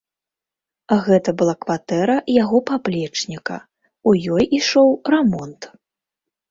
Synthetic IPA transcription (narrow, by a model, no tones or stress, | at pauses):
ɣɛt̪ɐbɨlˠakvat̪ɛɾɐjaɣɔpaplʲɛt͡ʂnʲikɐ̰ | ujɔjʔiʂɔwrɛmɔnt̪